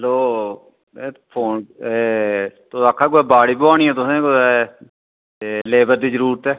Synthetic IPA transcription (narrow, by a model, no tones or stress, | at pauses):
ɦloː | epʰoːnet̪ʊaːkʰːaːkoɛːbaːɽiːpʋaːɽ̃iːɛ̃ːt̪ʊsẽːkoɛ | eleːbəɾd̪iːzəɾuːɾət̪ɛː